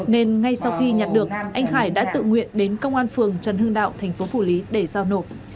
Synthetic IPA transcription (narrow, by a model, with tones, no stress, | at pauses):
ne˧nŋa˧jsa˧wxi˧ɲa˨˩t̚ɗɨ˨˩ək̚ʔa˧jŋ̟haː˧˩jɗa̰ː˧˥t̪ɨ̰˧˨ŋwḭ˧˨ənɗe˨˦nkə˧wŋ͡mʔaː˧nfɨ˨˩əŋt͡ɕə˨˦nhɨ˧ŋɗa̰ː˧˨wt̪ʰɛ˨˩ŋ̟fo˨˦fu˧˩li˨˦ɗe˧˩zaː˧wno˧˩t̚